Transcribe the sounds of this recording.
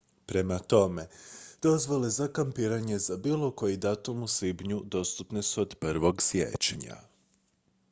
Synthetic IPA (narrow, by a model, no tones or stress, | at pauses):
pɾe̞mat̪o̞me̞d̪̥o̞zʋolezakampiːɾaɲe̞zabiːlˠo̞ko̞jid̪at̪umuslibɲud̪o̞st̪upnesuo̞d̪pr̩ʋo̞ɡsjḛt͡ɕɲa̰